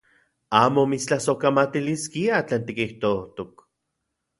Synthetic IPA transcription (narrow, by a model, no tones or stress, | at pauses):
aːmomit͡st͡ɬahsokamat̪iliskiat͡ɬeːnt̪ikiht̪oht̪ok